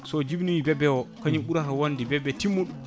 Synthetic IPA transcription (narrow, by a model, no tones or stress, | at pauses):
sɔd͡ʒibniwibɛbɛwɔkaɲiɓuɾatawandibɛbːɛtimːuɗu